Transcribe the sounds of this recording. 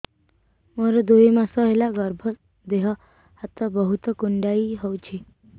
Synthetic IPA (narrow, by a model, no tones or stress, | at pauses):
məɾd̪oimasəɦelaɡəɾbʱə | d̪eɦə | at̪əbəɦut̪əkuɳɖjaiːɦowt͡ɕʰi